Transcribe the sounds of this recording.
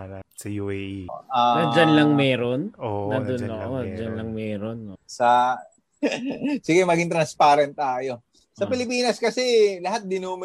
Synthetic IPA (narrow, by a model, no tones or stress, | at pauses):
ɐjuʔanɐd͡ʒanlɐŋmɛːɾo̞nonɐd̪onoʔod͡ʒanlɐŋmɛːɾonosɐ | sɪɡɛmɐɡɪŋt̪ɾɐnspaːɾɛnt̪̚ːaːjo̞ | sɐpɪlɪpiːnɐskɐsɛlɐɦat̪̚d̪ɪnuːmɪ